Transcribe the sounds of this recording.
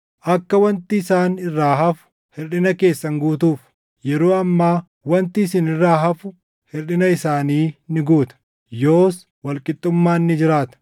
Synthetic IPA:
ʔɐkːɐwɐnt̪ɪːsaːnɪrːaːɦɐfʊ̥ | hɪɾᶑɪnɐke̞ːsːɐŋɡuːt̪uːf | jɛɾoːɐmːaː | wɐnt̪ɪːsɪnɪrːaːɦɐfʊ | hɪɾᶑɪnɐɪsaːniːnɪɡuːt̪ɐ̥ | joːs | wɐlkʼɪt̪ʼːʊmːaːnːɪd͡ʒɪɾaːt̪ɐ̥

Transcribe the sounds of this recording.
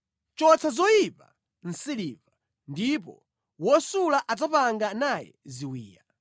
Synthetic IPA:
t͡ʃɔt͡sʰazɔjipa̰ | n̩siliːva | ndipɔ̰ | wɔsulaʔad͡zapaŋɡanajɛ̰ziwiːja

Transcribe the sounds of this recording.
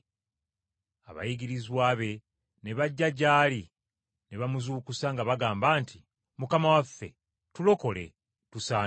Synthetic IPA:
a̰βa̰jiɡiɾizwaːβe̞ | ne̞βaɟːaɟaːli | ne̞βamuzuːkusaŋɡaβaɡaːmbaːntʰi | mukamawafːe̞̰ | tulo̞ko̞le̞̰ | tusaː

